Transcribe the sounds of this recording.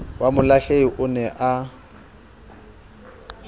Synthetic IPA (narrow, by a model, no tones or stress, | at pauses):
wamʊlaɬeiʔʊnɛʔa